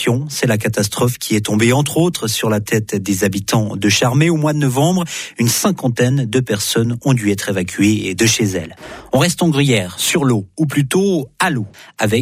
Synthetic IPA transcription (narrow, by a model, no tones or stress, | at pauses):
jɔ̃sɛlakat̪ast̪χɔfkʲiɛt̪ɔ̃beɑ̃t̪χot̪χəsyʁlat̪ɛt̪d̪ezabit̪ɑ̃d̪əʃaʁmeomwad̪ənɔvɑ̃bʁynsɛ̃kɑ̃t̪ɛnd̪əpɛʁsɔnɔ̃d̪yɛt̪χevakʲʰyed̪əʃezɛ̰lɔ̃ʁɛst̪ɑ̃ɡʁijɛːʁsyʁloup̬lyt̪oaloavɛ